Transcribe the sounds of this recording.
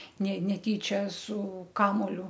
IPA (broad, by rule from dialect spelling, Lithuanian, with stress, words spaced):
nʲɛ nʲɛˈtʲiːt͡ʃʲɛ sʊ ˈkɑːmuɔlʲʊ